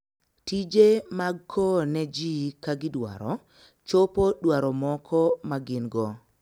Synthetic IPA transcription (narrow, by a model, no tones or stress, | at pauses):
tid͡ʒemaɡkʰɔnɛd͡ʒikaɡɪdwa̰ɾɔ̰ | t͡ʃopodwaɾɔmɔkʰɔmaɡɪnɡɔ